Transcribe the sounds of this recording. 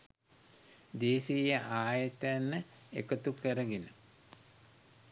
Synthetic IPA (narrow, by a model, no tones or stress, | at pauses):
d̪eːsijəʔaːjət̪əanːə | ḛkət̪ukəɾəɡenə